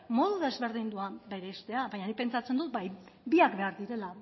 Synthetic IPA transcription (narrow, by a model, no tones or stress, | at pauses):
mo̞ðuðe̞zβe̞ɾðind̪uabe̞ɾe̞ːst̪e̞aβaɲanipe̞nt͡sat͡se̞nd̪ut̪bajbiakbe̞aɾðiɾe̞la